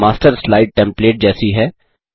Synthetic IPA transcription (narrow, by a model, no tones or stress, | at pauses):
maːsʈəɾslaːɪɖ̚ʈɛ̃mpleːʈ̚d͡ʒɛːsiɦɛː